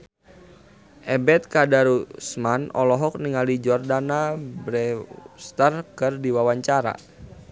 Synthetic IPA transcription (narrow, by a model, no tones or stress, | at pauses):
ʔɛbɛt̪̚kadaɾusmanɔlɔɦɔk̚niŋalid͡ʒɔrdanabɾɛst̪ərkɨrdiwawaɲt͡ʃaɾa̰